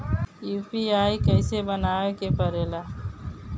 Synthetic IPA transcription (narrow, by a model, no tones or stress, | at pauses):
juːpiaːikɛɪsebənaːekepəɾeːlaː